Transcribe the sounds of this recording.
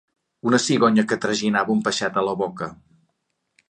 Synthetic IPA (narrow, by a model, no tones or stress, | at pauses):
unəsiɣɔɲəkət̪ɾəʒinaβəumpəʃat̪ələβɔkə